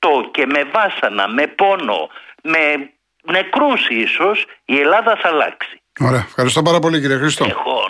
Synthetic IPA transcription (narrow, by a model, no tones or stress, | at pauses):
oce̞me̞vɐsɐnɐ̰me̞po̞no̞̰me̞ | ne̞kɾusiso̞sie̞lɐðɐθɐlɐ̰ksi̥ | oɾeɐfxɐɾist̪o̞pɐɾɐpo̞liciɾiɐxɾist̪oo